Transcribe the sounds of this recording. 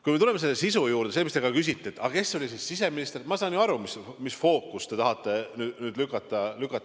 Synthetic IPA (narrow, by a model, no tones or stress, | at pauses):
kujme̞t̪ulemese̞lːesisujuːɾd̪̥e̞semist̪e̞ɡɑkys̬ʲit̪ːˑeet̪ːɑke̞sːo̞lʲisisːise̞minist̪e̞rmɑsɑːnjuɑɾumismisfo̞ːkːˑust̪e̞t̪ɑɦɑt̪ːˑe̞nyːd̪nyːd̪lykːˑɑt̪ːˑɑlykːˑɑt̪ːˑ